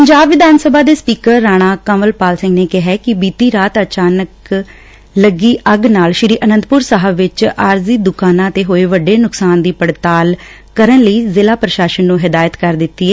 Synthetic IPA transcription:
ppəɲd͡ʒaːbʋɪd̪aːnsəbaːd̪eːspiːkəɾːaːɽ̃ãːkə̃ːməlpaːlsɪ̃ŋɡneːkɪɦɛːkɪbiːt̪iːɾaːt̪ət͡ʃaːnək | ləɡiːʔəɡnaːlʃɪɾiːʔənə̃nt̪pʊɾsaːɦəbʋɪt͡ʃaːɾziːd̪ʊkaːnãːt̪eːɦoːeːʋəɖːeːnʊksaːnd̪iːpəɽt̪aːl | kəɾəɳləiːzɪlaːpɾəʃaːʃənːũːɦɪd̪aːjət̪kəɾd̪ɪt̪ːiːɛː

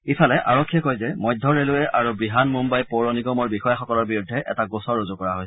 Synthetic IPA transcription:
ipʰalɛʔa̰ɹɔkʰːijɛkojzɛmɔjdʱɔɹelʊɛʔaɹubɹiɦanmumbajpoɹɔniɡɔmɔɹbixɔjaxɔkɔlɔɹbiɹudʱːɛʔɛ̰taɡosɔɹːozʊkɔɹaɦoj

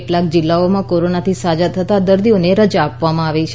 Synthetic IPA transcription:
ʈlak̚d͡ʒɪlːaomãkoɾonat̪ʰisad͡ʒat̪ʰət̪ad̪əɾd̪ioneɾəd͡ʒapʋamãaʋet͡ʃʰ

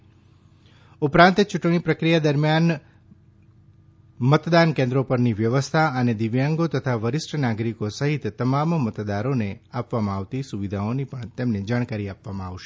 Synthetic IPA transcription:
upɾãnt̪t͡ʃuʈɽ̃ipɾəkɾijad̪əɾmjan | mət̪d̪ankẽnd̪ɾopəɾniʋjəʋəst̪ʰaəned̪iʋjaŋɡot̪ət̪ʰaʋəɾɪsʈʰənaɡɾikosəɦit̪ːəmammət̪d̪aɾoneapʋamãaʋt̪isuʋid̪ʱaonipəɳt̪emned͡ʒaɽ̃kaɾiapʋamãaʋʃe

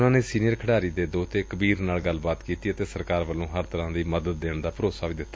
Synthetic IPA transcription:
nãːneːsiːnijəɾkʰəɽaːɾiːd̪eːd̪oːt̪eːkəbiːɾnaːlɡəlːbaːt̪kiːt̪iːət̪eːsəɾkaːɾʋəlːõːɦəɾt̪əɾãːd̪iːməd̪əd̪ːeːɳd̪aːpəɾoːsaːʋiːd̪ɪt̪ːa

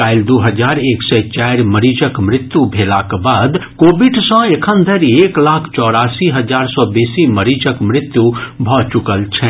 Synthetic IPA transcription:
aɪld̪uɦəd͡ʒaɾeksɛt͡ʃajɾməɾid͡ʒəkmɾɪt̪ːjubʱelakbad̪kobiɖsə̃ekʰənd̪ʱəɾieklakʰt͡ʃɔɾaːsiɦəd͡ʒaːɾsɔbesiməɾid͡ʒəkmɾɪt̪ːjubʱɔt͡ʃukəlt͡ʃʰɛ

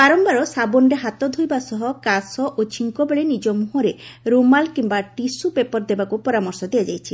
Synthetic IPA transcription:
baɾɔmbaɾɔsabɔnɖeɦat̪ɔd̪ʱojbasɔɦɔkasɔʔot͡ʃʰiŋkɔbeɭenid͡ʒɔmuɦuɾeɾomalkimbaʈisubepɔɾd̪ebakupɔɾamɔɾsɔd̪ijad͡ʒajt͡ʃʰi

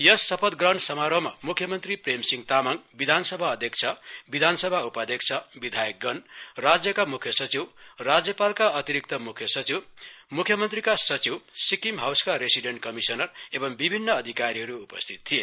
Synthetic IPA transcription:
jʌsːʌpʰʌd̪ɡrʌnsʌmaɾʌma̰mukʰjʌmʌnt̪ripremsiŋt̪amaŋbid̪ʱansʌbʱaʌd̪ʱjʌk̚t͡sʰʌbid̪ʱansʌbʱaupad̪ʌk̚t͡sʰʌbid̪ʱajʌk̚ɡʌnrad͡zjʌkamukʰjʌsʌt͡siwrad͡zjʌpalkaʌt̪iɾik̚t̪ʌmukʰjʌsʌt͡siwmukʰjʌmʌnt̪rikasʌt͡siwsikimɦawskaɾesiɖeɳʈkʌmisʌnʌrebʌmbibʱinːʌːd̪ʱikaɾiɦʌɾuːpʌst̪ʰit̪̚t̪ʰːije

